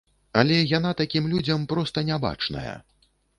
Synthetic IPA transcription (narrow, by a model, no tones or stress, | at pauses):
alʲɛjanat̪akʲimlʲud͡zʲɐmpɾɔst̪ɐnʲaba̰t͡ʂnɐ̰jɐ̰